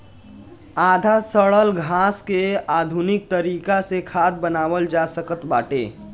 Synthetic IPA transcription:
aːd̪ʱasəɭəlɡʱaːskeaːd̪ʱunɪk̚t̪əɾiːkasekʰaːd̪̚bənaːwəld͡ʒasəkət̪baːʈḛː

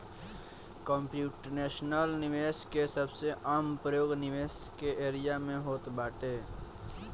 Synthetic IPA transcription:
kɔ̃ːmpjuːʈneːʃnəlnɪʋeːʃkesəbseʔaːmpɾəjoːɡnɪʋeːskeeːɾɪjamẽɦoːt̪baːʈeː

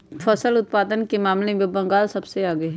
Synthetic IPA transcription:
fʰɐsəlʊt̪̚paːd̪ənkemaːmlemẽbɐ̃ŋɡaːlsɐbseaːɡəeɦɛ

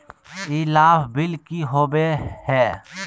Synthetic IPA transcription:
iːlaːfbɪlkiɦoːbehɛː

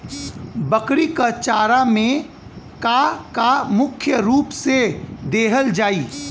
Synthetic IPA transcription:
bəkɾikət͡ʃaːɾamẽ | kakamʊkʰjəɾuːpsed̪eːɦəld͡ʒaːiː

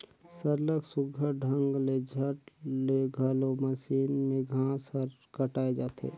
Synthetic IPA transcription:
səɾləksʊɡʱəɖʱəŋɡled͡ʒʱəʈleɡʱəloməsiːnmẽɡʱãsəɾkəʈaːed͡ʒaːt̪ʰḛ

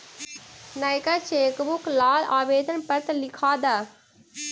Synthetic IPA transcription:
naɪkaʃeːkbʊklaːlaːʋeːd̪ʱənpɐɾt̪lɪkʰaːd̪aː

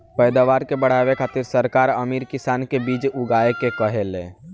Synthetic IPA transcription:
pəjd̪aːʋaːɾkebəɽ̤aʋekʰaːt̪ɪɾsəɾkaːɾəmiːɾkɪsaːnkebiːt͡ʃʊɡaekekəɦelẽ

